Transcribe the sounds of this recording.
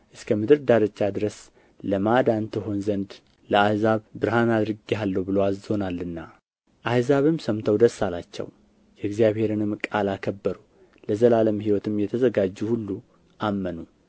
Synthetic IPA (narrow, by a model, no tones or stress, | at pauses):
ʔɨskʰəmɨd̪ɨɾd̪aɾət͡ʃːad̪ɨɾəs | ləmad̪ant̪ʰɨɦo̞nzənd̪ | ləahzaβbɨɾhanad̪ɾɨɡalːəwbɨlowao̞nalːɨnːa | ʔahzaβɨmsəmt̪ʰəwd̪əsːalat͡ʃːɛ̰w | jɛɨɡzijaβhe̞ɾɨnɨmkʼalakʰəbːəɾu | ləzəlaləmhiwɔt̪ʰɨmjɛt̪ʰəzəɡad͡ʒːuhulːu | ʔamːənu